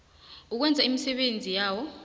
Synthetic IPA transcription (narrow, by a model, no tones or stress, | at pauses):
uk̬wɛnd͡zʱaimisɛɓend͡zʱijaːwɔ